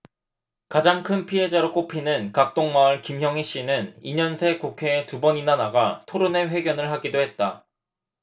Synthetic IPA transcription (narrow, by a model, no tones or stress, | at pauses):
kad͡ʑaŋkʰɯnpʰiɦe̞d͡ʑaɾok͈opʰinɯnkak̚t͈oŋmaɯɭkimçjʌŋiɕ͈inɯniɲʌnsʰe̞kukʰe̞ːtubʌɲinanaɡatʰoɾone̞ɸwe̞ɡjʌnɯɭɦaɡidoɦe̞t̚t͈a